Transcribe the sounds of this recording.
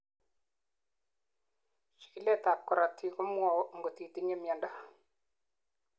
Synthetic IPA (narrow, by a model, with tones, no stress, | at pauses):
ʃi̥˨ki˨˦le˦ta˨kːɔ˨ɾa˨tʰi˨kʊ˦m˦ɔ˨˦ŋɡo˨ti˨ti˦ɲe˦mja˨nda˦